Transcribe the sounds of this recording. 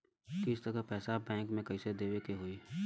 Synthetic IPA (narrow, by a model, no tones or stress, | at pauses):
kɪst̪əɾəpɛːsabɛ̃ːŋkmẽkɐised̪eːwekeɦoːi